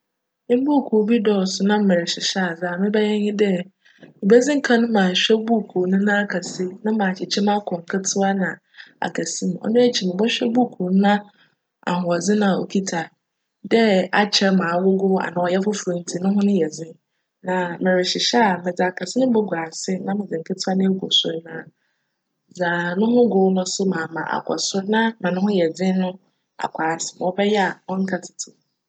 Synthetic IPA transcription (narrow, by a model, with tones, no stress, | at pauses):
mɪ̃˦m˦bu˦˨kʰu˨˦bi˦dɔ˨sʊ˨nã˦m̩˦mɛ˨ɾɪ˨ɕɪ˨ɕa˦a˨zɪ˦a˨mɪ̃˦bɛ˦jɛ˦ɲɪ̃˦dɛ˦ | mɪ̃˨bɛ˦d͡zɪ̃˦ŋ̩˦kʰã˦nʊ̃˦mãː˨ɕᶣɛ˦bu˦˨kʰu˨nʊ̃˦nã˦a˦kʰa˨sɪ˦nã˦mãː˨t͡ɕɪ˨t͡ɕʰɛ˦mã˦kʰɔ̃˨ŋ̩˨kʰa˦tʰʊ˦a˦nã˨ | a̰˨kʰa˨sĩ˦m˨ɔ̰˦nʊ̃˦æ˦t͡ɕʰi˨mɪ̃˨bɔ˦ɕᶣɛ˦bu˦˨kʰu˨n˦nã˦ | a̰˨hʊ̃˨a˨d͡zɪ̃˦nã˨o̰˨kʰi˦tʰa˨ | dɛ˦a˨˦t͡ɕʰɛ˦mãː˨wʊ˦ɡʊ˦a̰˨nã˨ɔ˨jɛ˦fʊ˦fʊ˨ĩ˨n˦tʰi˨nʊ̃˦ɦʊ̃˦nʊ̃˦jɛ˨d͡zɪ̃˦ | nã˨mɪ̃˨ɾɪ˨ɕɪ˨ɕɛ˦a˨mɪ̃˨d͡zɪ˨a˨kʰa˨sɪ˦nʊ̃˦bʊ˦ɡʷa˨sɪ˦nã˦mɪ̃˨d͡zɪ̃˨ŋ̩˨kʰɪ˦tʰɪ˦a˦nɪ̃˦ɡɔ˨sʊ˦ɾnã˦˨ | d͡za˨nʊ̃˦ɦʊ̃˦ɡʊ˦nʊ̃˦sʊ˦mã˨mã̰˨ʔa̰˨kʰɔ̰˨sʊ˦ɾnã˦mã˨nʊ̃˦hʊ̃˦jɛ˨d͡zɪ̃˦nʊ̃˦ | a̰˨kʷʰa˨sɪ˨m˨wɔ˨bɛ˦jɛ˦a˨wɔ˦ŋ̩˦kʰa˨tʰɪ̥˨tʰɪ˨